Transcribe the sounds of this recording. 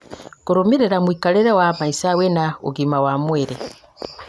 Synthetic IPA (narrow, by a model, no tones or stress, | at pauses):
kuɾumiɾeɾamwiːkaleɾewamaisawenaṵɡimawamweɾe